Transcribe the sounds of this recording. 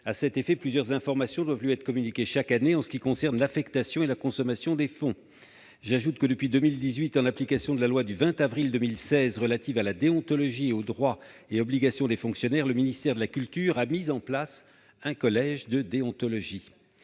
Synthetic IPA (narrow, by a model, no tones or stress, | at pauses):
asɛt̪efɛplyzjœʁzɛ̃fɔʁmasjɔ̃d̪wavlɥiɛt̪χə̥kɔmynikʲeʃakaneɑ̃sə̥kʲikɔ̃sɛʁnlafɛkt̪asjɔ̃elakɔ̃sɔmasjɔ̃d̪efɔ̃ | ʒaʒut̪kəd̪əpɥid̪ømild̪izɥit̪ɑ̃laplikasjɔ̃d̪əlalwad̪yvɛ̃t̪avʁild̪ømilsɛzʁəlat̪ivalad̪eɔ̃t̪ɔlɔʒieod̪ʁwaeɔbliɡasjɔ̃d̪efɔ̃ksjɔnɛʁləminist̪ɛʁd̪əlakʲylt̪yʁamizɑ̃plas | ɛ̃kɔlɛʒd̪əd̪eɔ̃t̪ɔlɔʒi